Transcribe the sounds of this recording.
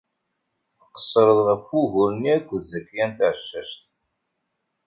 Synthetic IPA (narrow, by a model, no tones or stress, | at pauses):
θə̥qːə̥sˤːɾəðˤʁəfuʝuɾniækʷːəzəkːjænt̪ʕəʃːæʃt̪